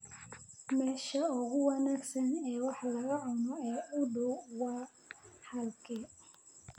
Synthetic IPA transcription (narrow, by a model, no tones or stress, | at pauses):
mɛʃɐʊɣʊwanaɡsɐnɛːwɑħlɐɣɐʕʊnɔɛːɐɡdɔwwaː | hɐlkʰɛ